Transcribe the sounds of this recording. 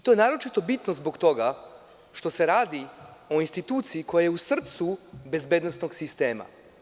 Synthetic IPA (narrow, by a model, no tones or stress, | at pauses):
it̪o̞jenaːɾo̞t͡ʃit̪o̞bit̪nozbo̞kt̪o̞ɡa | ʃt̪o̞se̞ɾaːd̪io̞inst̪it̪uːt̪siiko̞jajeusr̩t̪sube̞zbe̞d̪nosnoɡsist̪e̞ːma̰